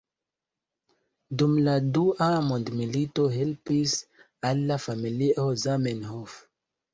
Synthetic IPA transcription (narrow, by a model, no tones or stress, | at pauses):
dumladuʔamondmilito̞ɦe̞lpis | alːafamiliʔozamenhof